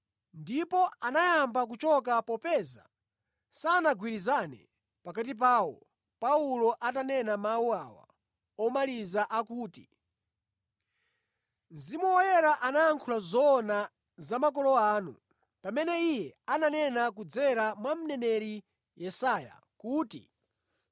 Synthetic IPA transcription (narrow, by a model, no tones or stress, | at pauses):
ndipɔanajambak̬ut͡ʃɔk̬apɔpɛza̰ | saːnaɡwiɾizanɛ̰ | pakat̬ip̬aːwɔ | paulɔʔat̬anɛnamawuawa̰ | ɔmalizaʔakuːti | zimwɛwɔjɛɾaʔanaːŋkʰulazɔna | zamak̬ɔlɔaːnṵ | pamɛnɛijɛananɛnak̬ud͡zɛɾamwam̩nɛnɛɾi | jɛsaːja̰ | kuːtḭ